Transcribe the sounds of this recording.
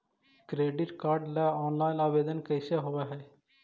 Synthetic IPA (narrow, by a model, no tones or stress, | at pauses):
kɾeːɖɪʈkaːɾɖlaɔːnlaːɪnaːʋeːd̪ənkəjseɦoʋaɦɛː